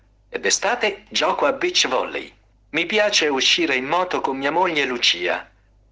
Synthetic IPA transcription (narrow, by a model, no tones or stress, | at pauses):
ed̪est̪aːt̪ed͡ʒɔːkoabit͡ʃːvɔ̰lːḛj | mipjaːt͡ʃeuʃːiːɾeimːɔːt̪okomːiːamoʎːelut͡ʃiːa̰